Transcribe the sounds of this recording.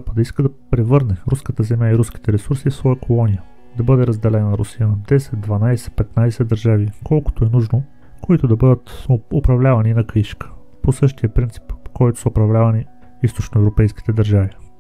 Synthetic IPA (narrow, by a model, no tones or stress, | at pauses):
pəd̪əiskəd̪ɐpɾɛvɤɾnɛɾuskət̪əzɛmʲjaiɾuski̥t̪ɛɾɛsuɾsifsvɔjəkʰolˠɔnijə | d̪ɐbɤd̪ɛɾɐzd̪ɛlɛnɐɾʊsijənd̪ɛsɛt̪̚d̪vɐnajsɛ̥pɛt̪najsɛd̪əɾʒavikɔlˠko̥t̪oɛnuʒno | koit̪ʊd̪ɐbɤd̪ət̪ʊpɾɐvlʲavɐninɐkiʃkə̥ | posɤʃt̪ijəpɾint̪si̥pkɔjt̪ʊ̥səʊpɾɐvlʲavɐni | ist̪ot͡ʃnoɛvɾopɛjsk̟i̥t̪ɛd̪ɐɾʒavi